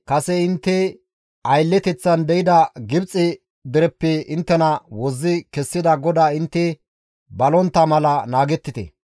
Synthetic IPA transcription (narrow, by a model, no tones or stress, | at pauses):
kɐsɛɪnt̪ːɛ | ɐjlːɛt̪ɛt͡sːɐnd̪ɛjɪd̪ɐɡɪbt͡sʼːɪ | d̪ɪɾɛpːɛɪnt̪ːɛnɐwɔzːɪkɛsːɪd̪ɐɡɔd̪aːɪnt̪ːɛ | bɐlɔnt̪ːɐmɐlɐnaːɡɛt̪ːɪt̪ɛ̰